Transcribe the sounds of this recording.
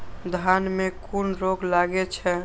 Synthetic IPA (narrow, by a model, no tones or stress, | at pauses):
d̪ʱanmẽkunɾoklaɡet͡ʃʰɛ